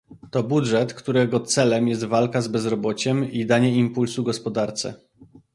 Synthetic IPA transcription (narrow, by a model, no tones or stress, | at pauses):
t̪ɔbudʐɛt̪kt̪uɾɛɡɔt̪sɛlɛmjɛst̪valkazbɛzɾɔbɔt͡ɕɛmid̪aɲɛimpulsuɡɔspɔd̪aɾt̪sɛ̰